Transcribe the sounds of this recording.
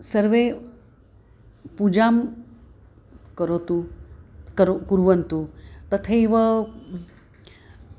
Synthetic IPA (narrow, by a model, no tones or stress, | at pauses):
səɾʋe | pud͡ʑam | kəɾot̪u | kəɾkuɾʋənt̪ut̪ət̪ʰəiʋə